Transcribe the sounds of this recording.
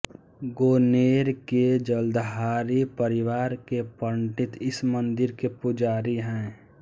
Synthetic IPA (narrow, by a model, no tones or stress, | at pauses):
ɡoːneːɾked͡ʒəld̪ɦaːɾipəɾɪwaːɾkepəɳʈɪt̪ɪsmənd̪ɪɾkepʊd͡ʒaːɾiɦɛ̃ː